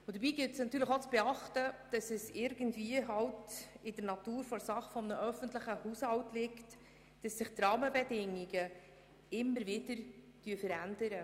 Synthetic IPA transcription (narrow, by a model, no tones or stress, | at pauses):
ʊd̪əɾbiːɡɪltsnɑt̪yːɾləχot͡sb̥eɑχtəd̥ɑsɛsɪɾɡəntviəɦɑltɪdəɾnɑtuːɾfɔɾsɑχfɔmnəʔœfən̩tləχəhushɑltlɪkt | d̥ɑsːɪχtrɑːməbɛdɪŋiɡə | ɪmːəɾvɪdəɾ | d̥yəfəɾændəɾə